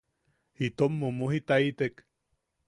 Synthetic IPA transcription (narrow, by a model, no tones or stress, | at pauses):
hit̪omːomuhit̪ait̪ek